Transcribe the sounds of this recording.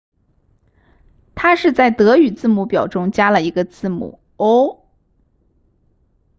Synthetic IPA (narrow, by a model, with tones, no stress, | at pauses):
t̪ʰa˥ʂɻ̩˥˧t͡sa˥˩ɪt̪ɤ˧˥y˨˩t͡sɹ̩˥˩mu˧˥˩pjɑ˨˩ʊʈ͡ʂʊ˥ŋt͡ɕja˥lə˨i˧˥ɡə˧t͡sɹ̩˥˩mṵ˨˩˦ | o˥ʊ